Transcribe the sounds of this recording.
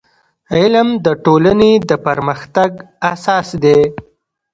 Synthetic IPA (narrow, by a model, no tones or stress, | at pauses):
ɪlmd̪əʈolaned̪əpəɾməxt̪aɡ | asɑsd̪e